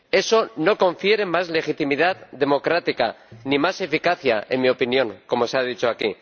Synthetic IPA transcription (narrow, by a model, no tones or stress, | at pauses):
e̞so̞no̞kõ̞ɱfje̞ɾe̞mazle̞xit̪imiðaððe̞mo̞kɾat̪ika̰nimase̞fikaθja̰e̞̰nmio̞pinjõ̞ŋko̞mo̞seað̞it͡ʃo̞akḭ